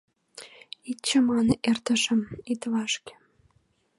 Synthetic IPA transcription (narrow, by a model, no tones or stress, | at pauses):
itt͡ɕə̆mɑnə̆ʔert̪ə̆ʃə̆mit̪βɑʃkĕ̥